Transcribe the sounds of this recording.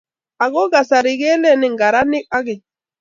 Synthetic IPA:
a˨ɡo˦ɡa˨sa˨ɾi˨ɡɛ˦le˦ni˨ŋɡa˨ɾa˦ni˦k̚a˦ɡi˨

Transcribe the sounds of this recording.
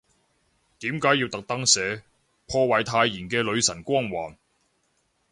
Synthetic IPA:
t̪iː˨˥mkaː˨˥jːiː˧wt̪ɐ˨k̚t̪ɐ˥ŋsɛː˨˧ | pʰɔː˧wɐ˨˩jt̪ʰaː˧jːiː˨˩nkɛː˧lɵ˨˧ɥsɐ˨˩nkʷɔː˥ŋwaː˨˩n

